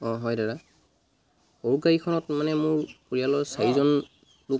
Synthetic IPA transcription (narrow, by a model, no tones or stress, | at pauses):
ɔɦɔjdaɹa | hoɹuɡaɹikʰɔnɔtmanɛmʊɹpoɹijalɔjsaɹizɔn | lʊk̚